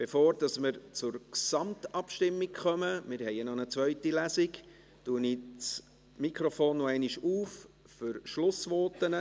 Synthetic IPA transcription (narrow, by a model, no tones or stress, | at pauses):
b̥efoːɾd̥ɑsmɪɾt͡sʊɾksɑmt̪ɑpʃtɪmːikχœməmɪɾhɛɪənɔnət͡sʋœʏtilæsik | tuənit͡s | mikʰɾofoːnːoɛɪniʃuːf | fʏɾʃlʊsʋɔːtənə